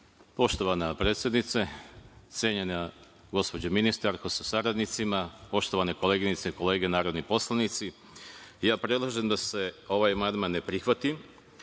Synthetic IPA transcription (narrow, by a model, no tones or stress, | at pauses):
po̞ʃt̪o̞ʋanapɾeːt̪sjed̪nit̪set̪sjeɲena | ɡo̞spo̞d͡ʑominist̪aɾkosasaɾad̪nit̪simapo̞ʃt̪o̞ʋaneko̞leːɡinit̪seiko̞le̞ːɡe̞naːɾo̞d̪nipo̞slˠanit̪si | jaːpɾe̞d̪lˠaʒe̞nd̪ase̞o̞ʋajmand̪manːe̞pɾixʋat̪i